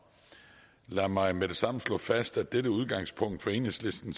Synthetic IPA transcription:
læɐmɑ̈ɪmed̥e̝sɑ̈m̰n̩slɔ̰̽ːfæsd̥æd̥eɾəuð̞ˠɡ̥ɑ̈ŋ̰spʰɔ̽ŋ̰d̥fɒ̽e̝ːne̝ŋsle̝sd̥n̩s

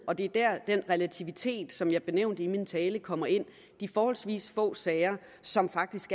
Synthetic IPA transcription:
ʔɒ̽d̥e̝d̥æɐ̰d̥enʁɛlæt͡sʰiʋit͡sʰe̝̰ːd̥sɒ̽mjɑ̈ɪb̥e̝neʊnd̥imint͡sʰɛːləkʰɒ̽m̰ɐe̝n̰ | d̥ifɒːhɒ̽lsʋḭːsfɔ̰̽ːsɛɪɐ | sɒ̽mfɑ̈ɡ̥̚d̥isɡ̥

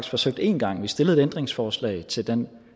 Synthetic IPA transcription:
ɡ̥sfɒ̽søɡ̥̚d̥e̝nɡ̥ɑ̈ŋ̰ʋisd̥e̝ləð̩ˠed̥end̥ʁeŋsfɒːslɛ̰ɪt͡sʰe̝ld̥en

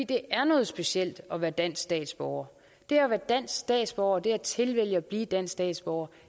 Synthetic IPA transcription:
ḭːd̥e̝ʔæɐnɔ̽ːð̞̩ˠsb̥e̝ɕel̰d̥ɒ̽ʋæːɐd̥æn̰sɡsd̥ɛ̰ːd̥sb̥ɒʊ̰ɐ | d̥e̝æɐʋæːɐd̥æn̰sɡ̥sd̥ɛ̰ːd̥sb̥ɒʊɐd̥e̝æɐt͡sʰe̝lʋel̰jəɒb̥liːd̥æn̰sd̥ɛ̰ːd̥sb̥ɒʊɐ

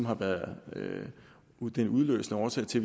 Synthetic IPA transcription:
mɦhɑ̈ʋæɐðˠø | ud̥enuð̞ˠlø̰ːsnəɒːsʰɛ̰ɪt͡sʰe̝ʋ

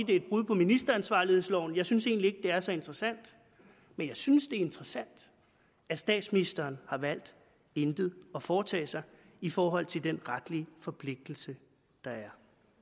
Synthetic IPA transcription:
id̥e̝ed̥̚b̥ʁuð̰ˠpʰɒ̽minisd̥ɐænsʋɑ̰̈ːlihe̝ðˠslɒʊ̰njɑ̈ɪsynse̝̰ːnlie̝ɡ̥̚d̥e̝æɐsɒ̽e̝nd̥ʁɐsæn̰d̥ | menjɑ̈ɪsynsd̥e̝e̝nd̥ʁɐsæn̰d̥ | æsd̥ɛ̰ːd̥sminisd̥ɐːnhɑ̈ʋæl̰d̥ | end̥ð̩ˠɒ̽fɒːt͡sʰɛ̰ːsɑ̈ɪ | ifɒːɦɒ̽l̰t͡sʰe̝ld̥enʁad̥lifɒ̽pʰle̝ɡ̥̚d̥l̩sə | d̥ɑ̈æɐ

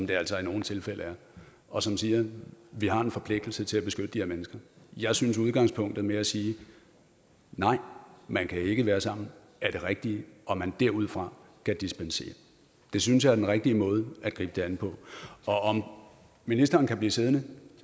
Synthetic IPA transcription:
ɒmd̥e̝æl̰sɒ̽ino̝ːn̩t͡sʰe̝lfel̰ʔəæɐ | ʔɒ̽sɒ̽msiːɐʋiɦɑ̈e̝nfɒ̽pʰle̝ɡ̥d̥l̩sət͡sʰe̝læb̥e̝sɡ̥ød̥əd̥iheɐmenəsɡ̥ɐjɑ̈ɪsynsuð̞ˠɡ̥ɑ̈ŋspʰɔ̽ŋ̰d̥ð̞̩ˠmeæsiː | nɑ̈ɪ̰mænkʰæe̝ɡ̥əʋæːɐsɑ̈m̰n̩ | ʔæɐɾ̥e̝ʁɛɡ̥̚d̥iʔɒ̽mænd̥æɐ̰uð̰ˠfʁɑ̈kʰæd̥isb̥ense̝̰ːɐ | d̥e̝synsjɑ̈æɐd̥enʁɛɡ̥̚d̥iəmɔ̽ːð̞ˠæd̥̚ɡ̥ʁḭːb̥əd̥e̝ænpʰɒ̽ɒ̽ɒ̽m | minisd̥ɐːn̩kʰæb̥liːse̝ð̞ˠnə

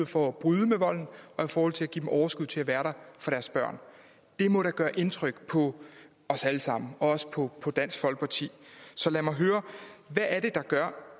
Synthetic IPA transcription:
fɒb̥ʁyðˠəmeʋɒ̽l̰n̩ʔɒ̽ifɒːhɒ̽l̰t͡sʰe̝læɡḭd̥emʔɒʊɐsɡ̥uð̞̰ˠt͡sʰe̝æʋæːɐɾɑ̈ɪfɑ̈ɾ̥æɐsb̥ɶɐ̰n | d̥e̝mɔ̽ɾɑ̈ɡ̥ɶːɐʔe̝nt͡sʰʁœɡ̥pʰɒ̽ | ɒ̽sæləsɑ̈m̰n̩ɒ̽ɒ̽sə̥pʰɒ̽pʰɒ̽d̥æn̰sɡ̥fɒ̽l̰ɡ̥̚pʰɑt͡sʰḭːsɒ̽læmɑ̈ɪɦøːɐʋæʔːɐɾe̝d̥ɑ̈ɡ̥ɶɐ̰

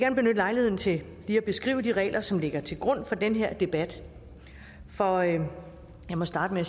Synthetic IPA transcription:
eɡæɐnb̥e̝nød̥əlɑ̈ɪlihe̝ð̰ˠnt͡sʰe̝ | liːæb̥e̝sɡ̥ʁḭːʊəd̥iʁɛ̰ːlʔɐsɒ̽mle̝ɡ̥ɐt͡sʰe̝lɡ̥ʁɔ̽n̰fɒ̽d̥enɦeɐ̰d̥e̝b̥æd̥ | fɒ | jɑ̈ɪmɒ̽sd̥ɑ̈ːd̥əmeæ

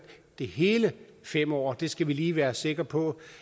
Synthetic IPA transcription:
d̥e̝ɦe̝ːlə | fem̰ɒ̰ːd̥e̝sɡ̥æʋiliːʋæːɐse̝ɡ̥ɐpʰɒ̽

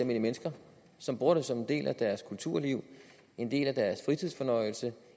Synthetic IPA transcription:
ɐmeləmenəsɡ̥ɐ | sɒ̽mb̥ʁuɐɾ̥əsɒ̽me̝nd̥e̝̰ːlʔæd̥æɐskʰult͡sʰuɐ̰liʊ | e̝nd̥e̝̰ːlæd̥æɐsfʁit͡sʰiðˠfɒ̽nɒ̽ɪl̩sə

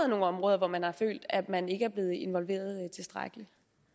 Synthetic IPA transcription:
ð̩ˠno̝ːn̩ɒ̽mʁɔːð̞ˠɐʋɒmænhɑ̈fø̰ːld̥æ̥mæne̝ɡəæɐb̥le̝ːð̞̩ˠe̝nʋɒ̽lʋe̝̰ːɐð̞ˠt͡sʰe̝lsd̥ʁa̰ɡ̥əli

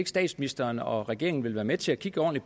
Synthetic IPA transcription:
eɡəsd̥ɛ̰ːd̥sminisd̥ɐnɒ̽ʁɛɡ̥e̝ɐeŋn̩ʋe̝lʋæːɐmet͡sʰe̝ækʰiɡ̥əɒ̰ːnli̥

